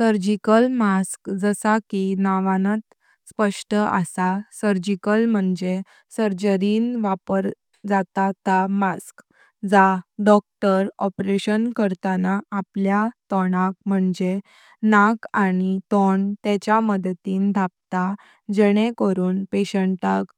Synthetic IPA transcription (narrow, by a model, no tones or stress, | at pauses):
səɾd͡ʑikəlmaskd͡zəsakinaʋãnat̪ | spəʂʈəʔə̰sasəɾd͡ʑikəlm̤əɳd͡ze | səɾd͡ʑəɾiːnʋapəɾ | d͡zat̪at̪amask | d͡zaɖɔk̚ʈəɾɔpɾeɕənkəɾt̪anaːpljat̪ɔɽak̚m̤əɳd͡ze | nakañit̪ɔɳt̪ɛt͡ɕjaməd̪t̪iːnd̪ʱap̚t̪a | d͡ʑəɽ̃ẽkəɾuːnpeɕəɳʈak